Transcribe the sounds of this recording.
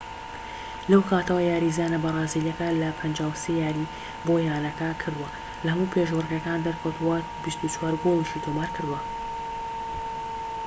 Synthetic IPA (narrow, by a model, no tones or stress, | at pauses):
lɐwkʰaːt̪ɐwɐjaːɾizaːnɐbɐrˤɑːzilɐkɐlɐpʰɐnd͡ʒaːwsejaːɾi | bojaːnɐkɐkʰɨɾd̪uwɐ | lɐhɐmuːpʰeʒwɨrɡɐkaːnd̪ɐɾkʰɐwt̪uwɐ | bist̪ut͡ʃwaːɾɡolˠiʃit̪ʰomaːɾkɨɾd̪uwɐ